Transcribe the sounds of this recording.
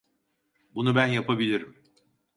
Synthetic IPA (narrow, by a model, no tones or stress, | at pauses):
bunubænjapʰabilʲiɾim